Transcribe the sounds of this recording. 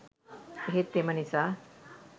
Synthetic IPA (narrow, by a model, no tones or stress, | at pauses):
ɦet̪ːemɐnisa